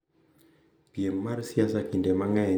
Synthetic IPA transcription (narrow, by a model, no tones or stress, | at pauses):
piemmaɾsiasakindɛmaŋaɛ